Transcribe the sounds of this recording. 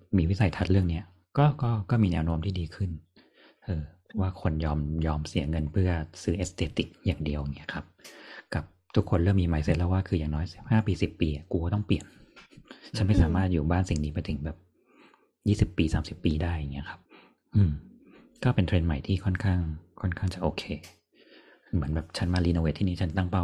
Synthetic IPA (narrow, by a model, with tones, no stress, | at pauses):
miː˧wi˦˥sa˨˩˦jt̪ʰa˦˥ɾɯ˥˩əŋni˦˥ɐ | kɔː˥˩kɔː˥˩kɔː˥˩miː˧nɛː˦˥wno˦˥mt̪ʰiː˥˩diː˧kʰɯ˥˩n | ʔɤː˧pʰwaː˥˩kʰo˧njɔː˧mjɔː˧msi˨˩˦ŋɤ˧npʰɯ˥˩ɐsɯː˦˥ʔeː˦˥st̪eː˧t̪i˨˩k̚jaː˨˩ŋdi˧əwa˨˩ŋːi˦˥ɐkʰa˦˥p̚ka˨˩p̚t̪ʰu˦˥kʰːo˧nɾɤː˥˩mːiː˧ma˨˦jse˦˥t̪̚lɛː˦˧˥waː˥˩kʰɯː˧jaː˨˩ŋnɔː˦˥jsi̥˨˩p̚haː˥˩piː˧si˨˩pːiː˧ʔa˨˩ku˧kːt̪ɔ˥˩pli˨˩ən | t͡ɕʰa˦˥nma˥˩jsaː˩˦maː˥˩t̪̚juː˨˩baː˥˩nsi˨˩ŋdiː˧pa˧jt̪ʰɯ˩˦ŋbɛː˨˩p̚ | jiː˥˩si˨˩pːiː˧saː˩˦msi˨˩pːiː˧daː˥˩ja˨˩ŋːi˦˥ɐkʰa˦˥p̚ | ʔɯː˧m | kɔː˥˩pe˧nt̪ʰɾe˧nma˨˩jt̪ʰiː˥˩kʰɔ˥˩nkʰaː˥˩ŋkʰɔ˥˩nkʰaː˥˩ŋt͡ɕa˨˩ʔoː˧kʰeː˧ | mɯ˩˦ənbɛː˨˩p̚t͡ɕʰa˦˥nmaː˧liː˧noː˧weː˦˩t̪ʰːiː˥˩niː˦˥˩a˦˥nt̪a˥˩ŋpa˥˩w